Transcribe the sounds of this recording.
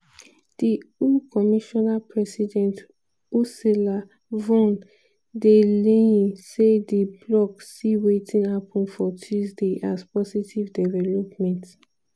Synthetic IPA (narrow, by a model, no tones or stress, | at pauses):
d̥iukɔmiʃɔnapʰɹɛsidɛ̃nt | usila | vɔ̃n | deleĩsediblɔksiwetʰĩnhapʰɔ̃nfɔtʰuzdeʔaspɔsitʰivdɛvɛlɔpmɛ̃nt